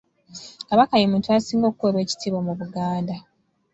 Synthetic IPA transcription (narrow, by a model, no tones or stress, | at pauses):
kaβakajemũːntuasiːŋɡo̞kuweβwe̞ːci̥tiːβo̞muβuɡaːnda